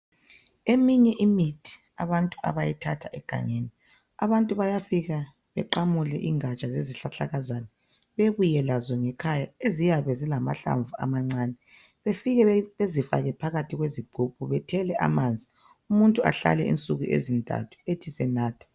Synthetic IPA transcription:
emiɲɛʔimitʰi̥ | a̰βantʼu̥a̰βajitʰatʰaʔɛɡ̥ʱa̰ŋeni | aβantʼuβajafiɣa | βɛ̰ǃamulɛʔiŋat͡ʃʼazeziɬaɬaɣazanɛ | βeβujɛlazɔŋɛkʰajaezijaβɛzilama̰ɬa̰ɱvua̰maŋ͡ǀaːnɛ | βefiɣɛezifa̰ɣɛpʰaɣatʰiɣweziɡ͡ǃ̥ʱup̚ʰʼuβɛtʰɛlɛʔa̰mand͡zʱi | umuntʼua̰ɬa̰lɛḭnt͡sʼuɣuʔḛzintʼa̰tʰu̥etʰisɛnaːtʰḁ

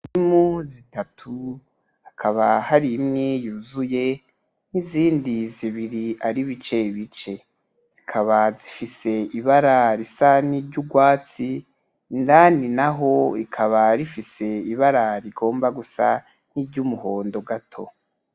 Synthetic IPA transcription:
nimuzitatʰu | hakʰaβahaɾimŋejuːzuje̞ | niziːndiziβiɾiaɾiβit͡ʃe̞iβit͡ʃe̞ | z̥ikʰaβazifise̞iβaɾaɾisaniɾɟuɡwaːt͡si | ndaninaɦo̞ikʰaβaɾifise̞iβaɾaɾiɡo̞ːmbaɡusa̰ | n̥iɾɟumuho̞ːndo̞ɡatʰo̞̰

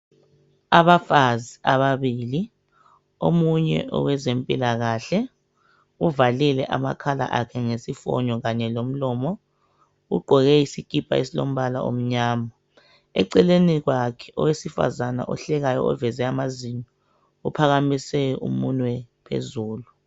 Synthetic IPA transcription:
aβafaziaβaβiːli | omuɲɛ̰ʔɔ̰wɛzempʼilaɣaɬɛ | uvalilɛʔa̰ma̰kʰala̰ʔakʰɛŋesifɔ̰ɲɔɣaɲɛlom̩lɔːmɔ | ɣṵɡ͡ǃʱɔɣɛisikʼipʰʼa̰esilom̩βala̰ʔo̰m̩ɲaːma | ɛ̰ǀɛleniɣwakʰɛ̥ɔwesifa̰zana̰ʔɔ̰ɬɛɣajɔ̰ɔvɛzɛamazinɔ | upʰaɣamisɛʔṵmunwɛpʰḛzuːlu

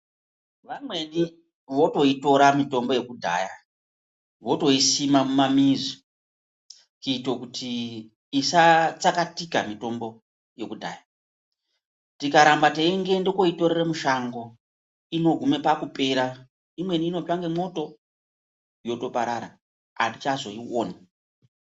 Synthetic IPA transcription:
ʋamwe̞ni | ʋo̞to̞ito̞ɾamito̞mbo̞je̞kudʱa̰ːja̰ | ʋoto̞isimamumamizi | kiitokutʰiː | sat͡sakatikamito̞mbo̞ | je̞kudʱa̰ːja | tikaɾambateiŋɡe̞ndokoito̞ɾeramuʃaŋɡo̞ | ino̞ɡʱume̞pakupe̞ɾa | imwe̞niːno̞t͡ʃaŋɡemo̞to̞ | jo̞to̞paɾaɾa | a̰tit͡ʃazo̞iwo̰ːna

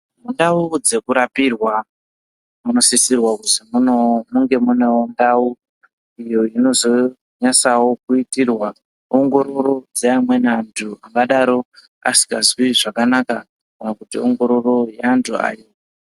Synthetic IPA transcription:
mundaud͡ze̞kuɾapirwa | muno̞sisirwakuzimunomuŋɡe̞mune̞wondau | ijo̞ino̞zo | ɲasawo̞kuitirwa | oŋɡo̞ɾo̞ɾo̞d͡zeamwe̞nantʰuaŋɡaɗaɾo̞ | a̰si̥kazwiʐakanaka | kanakutioŋɡo̞ɾo̞ro̞jantʰua̰ːjo̞

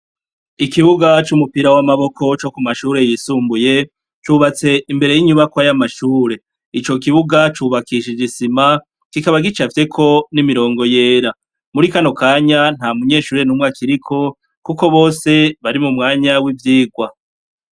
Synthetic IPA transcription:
ikiβuɡat͡ʃumupiɾawamaβo̞kʰo̞t͡ʃo̞kumaʃuːɾe̞jisuːmbuje̞ | t͡ʃuːβat͡se̞imbe̞ɾe̞jiɲuβakwajamaʃuːɾe̞ | it͡ʃo̞k̬iβuɡat͡ʃuːβakiʃid͡ʒisima | kikaβaɡit͡ʃafi̥te̞kʰo̞nimiɾo̞ːŋɡo̞je̞ːɾa | muɾikano̞kaːɲan̥hamuɲe̞ːʃuːɾenumŋakʰiɾikʰo̞ | kuko̞βo̞ːse̞βaɾimumŋaːɲawivjiːɡwa

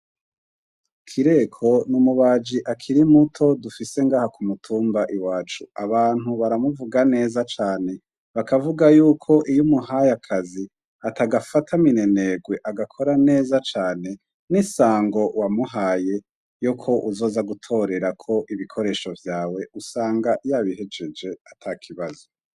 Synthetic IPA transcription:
kʰiɾe̞kʰo̞numuβaːd͡ʒiʔakʰiɾimutʰo̞dufise̞ŋɡaːhakumutʰuːmbaʔiwaːt͡ʃuaβaːn̥huβaɾamuvuɡane̞ːzat͡ʃaːne̞ | βakavuɡajuːkʰo̞ʔijumuɦajakʰazi | ataɡafatʰamine̞ne̞ɡwe̞ʔaɡakʰo̞ɾane̞ːzat͡ʃaːne̞ | nisaːŋɡo̞wamuɦaːje̞ | jokʰo̞ʔuzo̞ːzaɡutʰo̞ɾe̞ɾakʰo̞ʔiβikʰo̞ɾe̞ːʃo̞vjaːwe̞usaːŋɡajaβihe̞d͡ʒed͡ʒe̞atʰakʰiβazo

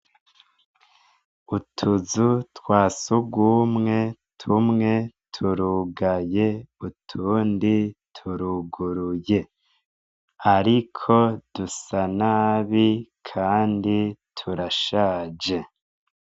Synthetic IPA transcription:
utʰuzutwaːsuɡwumŋe̞tʰumŋe̞tʰuɾuɡaje̞utʰuːnditʰuɾuɡuɾuje̞ | aɾikʰo̞d̥usanaβikʰaːnditʰuɾaʃaːd͡ʒe̞

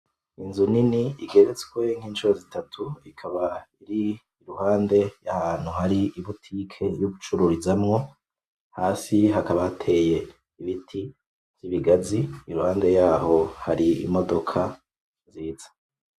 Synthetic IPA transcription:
inzuniniiɡe̞ɾet͡swe̞ŋ̥iːnt͡ʃuɾozitatʰuikʰaβaiɾiː | ɾuhaːnde̞jahaːn̥huɦaɾiiβutʰiːkʰe̞juβut͡ʃuɾuɾizamŋo̞ | haːsiɦakaβaatʰe̞je̞ | iβitʰi | v̥iβiɡaziːɾuhaːnde̞jaːho̞haɾḭːmo̞do̞kʰa | ziːz̥ḁ

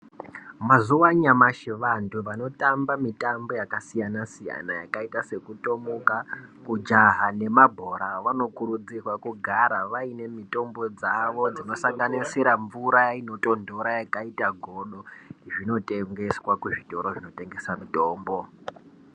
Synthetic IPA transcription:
mazuwaɲamaʃiʋantʰuʋano̞tambamitambo̞jakasijanasija̰najakaitase̞kuto̞mukakud͡ʒaɦane̞mabʱo̞ɾaʋano̞kuɾud͡zirwakuɡʱaɾaʋaine̞mitʼo̞mbo̞d͡zaʋo̞d͡zino̞saŋɡanisiɾaɱvuɾajaino̞tʼo̞ndʱo̞ɾajakaitaɡʱoɗoʐino̞tʼe̞ŋɡe̞swakuʐito̞ɾo̞ʐino̞te̞ŋɡe̞samitʼoːmbo̞

